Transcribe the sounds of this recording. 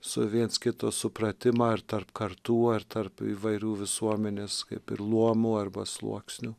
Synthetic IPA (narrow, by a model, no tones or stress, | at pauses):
sʊʋʲiɛnskʲɪt̪oːsʊpɾɐt̪ʲɪmɐːɐɾt̪ɐrpkɐɾt̪uːɐɾt̪ɐɾpiːʋɐɪɾʲuːʋʲɪsuɔmʲɛnʲeːskɐɪpɪɾlˠuɔmuːɐrbɐslˠṵɔksʲnʲu